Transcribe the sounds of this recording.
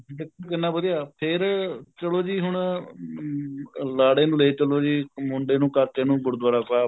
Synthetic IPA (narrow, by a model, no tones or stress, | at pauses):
dɪkʰːkənːaːbəd̪iaːpʰɪɾt͡ʃəloːd͡ʒiːɦʊɳ | laːɽeːnũːleeːt͡ʃəloːd͡ʒiːmʊɳɖeːnũːkaɾkeːnũːɡʊɽd̪waːɾaːpɛː